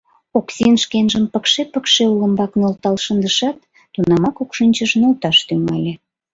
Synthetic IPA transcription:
oksʲinʃkenʒəmpəkʃepəkʃeuləmbɑknolt̪ɑlʃənd̪əʃɑt̪ː | unɑmɑkokʃənʲt͡ɕəʃnolt̪ɑʃt̪yŋɑlʲe

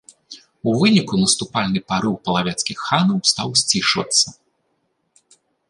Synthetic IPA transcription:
uvɨnʲikunɐst̪upalʲnɨpaɾɨwpɐlˠavʲɛt̪skʲixːanɐwst̪awsʲt͡sʲiʂvɐ̰t̪sːɐ

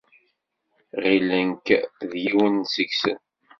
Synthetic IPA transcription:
ʁilənkðjiwənsəɡsən

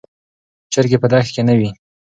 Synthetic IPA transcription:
t͡ʃəɾɡepəd̪axt̪kenawi

